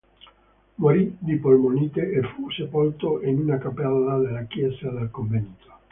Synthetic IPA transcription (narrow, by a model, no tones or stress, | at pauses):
moɾid̪ipolmonit̪eʔːfusepolt̪oʔinunakapɛlːad̪elakjɛsad̪elkoɱvenit̪o̥